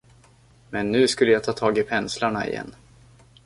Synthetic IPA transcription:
mɛnːʉ̟ːskɵlːəjat̪ʰɑːt̪ʰɑːɡɪpʰɛnslaɳaɪ̰jɛ̰nː

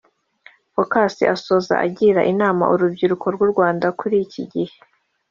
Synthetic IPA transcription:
fokasḭʔaso̞ːza̰ʔa̰ɟiɾaʔinaːma̰ʔuɾubɟiɾukʰo̞ɾɡuɾɡwaːndakʰuɾiciɟihe̥

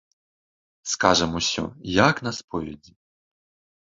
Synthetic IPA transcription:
skaʐɛmusʲɔ̰jaknɐspɔvʲɛd͡zʲi

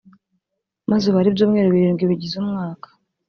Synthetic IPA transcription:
mazeβaɾibjoːmŋeɾoβiɾiːŋɡwiβiɟizumŋaːkḁ

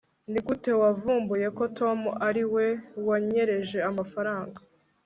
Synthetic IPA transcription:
nikute̞wavuːmbuje̞ko̞tʰo̞muʔaɾiwe̞waɲe̞ɾe̞ʒe̞amafaɾaːŋɡa

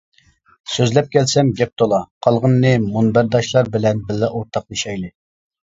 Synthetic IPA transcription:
søzlɛp̚kʲʰɛlsɛmɡʲɛp̚t̪ʰolˠɑqʰɑlˠʁənːɨmunbæɾd̪ɑʃlˠɑɾbɪlɛnbɪlːɛʔoɾt̪ʰɑq̚jeʃɛjlɨ

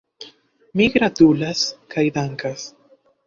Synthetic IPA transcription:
miɡɾat̪ulaskʰajd̪aŋkas

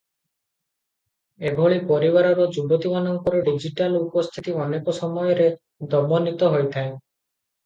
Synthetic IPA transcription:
ebʱoɭipɔɾibaɾɔɾɔd͡ʒubɔt̪imanɔŋkɔɾeɖid͡ʒiʈalupɔst̪ʰit̪iɔnekɔsɔmɔjɔɾe | d̪ɔmɔnit̪ɔɦojt̪ʰae

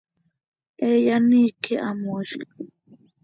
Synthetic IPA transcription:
ejanikʰeʔamoʃkḁ

